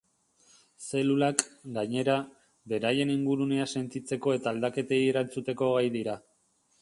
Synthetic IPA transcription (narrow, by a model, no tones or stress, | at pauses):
se̞lulakɡaɲe̞ɾa | be̞ɾaje̞niŋɡuɾune̞ase̞nt̪it͡se̞ko̞e̞t̪aːld̪ake̞t̪e̞jeɾant͡sut̪e̞ko̞ɣ̞ajðiɾa